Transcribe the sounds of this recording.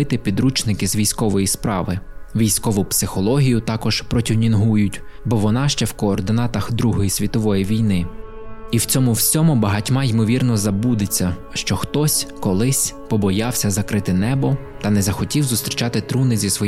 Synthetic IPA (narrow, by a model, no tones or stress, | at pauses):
ɪt̪ɪpʲid̪ɾut͡ʃnɪkɪzʋʲijsʲkɔʋɔjispɾɑʋɪʋʲijsʲkɔʋʊpsɪxɔlˠɔɦʲijʊt̪ɑkɔʒ̥pɾɔtʲinʲinɦujʊtʲ | bɔʋɔnɑʃt͡ʃɛwkɔːrd̪ɪnɑt̪ɐxd̪ɾuɦɔjisʲʋʲit̪ɔʋɔjiʋʲijnɪ | iwt͡sʲɔmʊwsʲɔmʊbɐɦɐtʲmɑjimɔʋʲirnɔzɐbud̪ɪt͡sʲːɐ | ʃt͡ʃɔxt̪ɔsʲkɔlˠɪsʲpɔbɔjɑwsʲɐzɐkɾɪt̪ɪnɛbɔ | t̪ɐnɛzɐxɔtʲiwzʊst̪ɾʲit͡ʃɑt̪ɪt̪ɾunɪzʲisʋɔ